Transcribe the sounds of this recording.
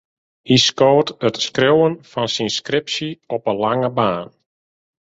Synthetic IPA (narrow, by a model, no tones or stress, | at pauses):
hiskoːtətskrowənfɔnsinskrɪpsiɔpəlaŋəbaːn